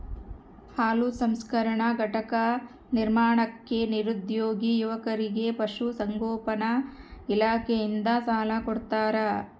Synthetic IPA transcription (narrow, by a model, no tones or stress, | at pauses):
haːlusɐmskɐɾɐɳɐɡʱɐʈɐkɐ | niɾmaːɳɐkːe̞niɾud̪joːɡijuʋɐkɐɾiɡe̞pɐʂusɐŋɡoːpɐnɐilaːkʰejind̪ɐsaːlɐkoɽt̪aːɾɐ